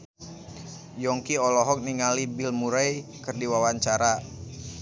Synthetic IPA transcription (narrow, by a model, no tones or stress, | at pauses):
jɔŋkiɔlɔɦɔk̚niŋalibilmuɾajkərdiwawaɲt͡ʃaɾa